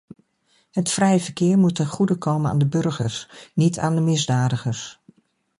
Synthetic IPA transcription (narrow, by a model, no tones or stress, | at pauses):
ɦətfrɛjəvəɹkɪːɹmutːɛnχudəkʰowməna̰ːndəbɵɹχəɹsnitʰaːndəmɪzdaːdəχəɹs